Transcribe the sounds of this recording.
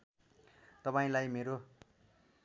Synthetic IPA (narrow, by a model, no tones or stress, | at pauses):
t̪ʌpaĩlajmeɾo